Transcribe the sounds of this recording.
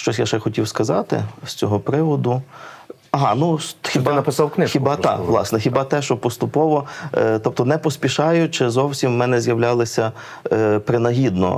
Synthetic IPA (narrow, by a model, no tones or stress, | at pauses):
ʃt͡ʃɔsʲjaʃɛxɔtʲiwskɐzɑt̪ɪ̰st͡sʲɔɦɔpɾɪʋɔd̪ʊ | ɐɦɑnuxʲibnɐpɪsɑwknɪxʲibɑt̪ɑ̰kʋlˠɑ̰snɛxʲibɑt̪ɛʃt͡ʃɔpɔst̪ʊpɔʋɔt̪ɔp̚t̪ɔnɛpɔsʲpʲiʃɑjʊt͡ʃɪzɔwsʲimːɛnɛzʲjɐwlʲɑlˠɪsʲɐ | pɾɪnɐɦʲid̪nɔ̰